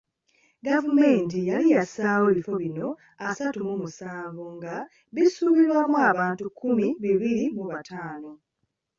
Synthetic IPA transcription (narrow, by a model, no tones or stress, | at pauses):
ɡavume̞ːntijalijasaːwoβifo̞βino̞ | asatumumusaːɱvoŋɡa | βisuβiɾwamwaːβaːntukʰːumiβiβilimuβatʰaːno